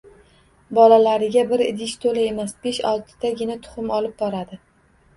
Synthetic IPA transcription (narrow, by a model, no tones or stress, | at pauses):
bɒlalaɾɪɡʲabɪɾɪ̰d̪ɪʃt̪ʰolae̞masb̥eʃɒ̰lˠt̪ʰɪ̥d̪aɡʲɪnat̪ʰʊ̥χʊmɒlɪp̚bɒɾad̪ɪ